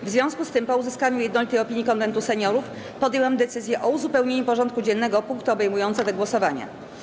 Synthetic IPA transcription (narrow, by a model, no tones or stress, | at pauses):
vzvʲjɔ̃w̃skust̪ɘmpɔuzɘskaɲujɛd̪nɔlʲit̪ɛjɔpʲiɲːikɔnvɛnt̪usɛɲɔɾuf | pɔd̪jɛwamd̪ɛt̪sɘzʲjɛʔɔuzupɛwɲeɲupɔʐɔ̃nt̪̚kud͡ʑɛnːɛɡɔpuŋkt̪uɔbɛjmujɔnt̪sɛd̪ɔɡwɔsɔvaɲa̰